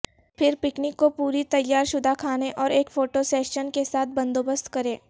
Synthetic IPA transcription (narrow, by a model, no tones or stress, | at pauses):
pʰɪɾpɪknɪkːopuːɾit̪ɐjːaːɾʃʊd̪ʱakʰaːneʔɔːɾeːkfoːʈosɛːʃənkesaːt̪̚ʰbɐ̃nd̪oːbəst̪kɐɾẽː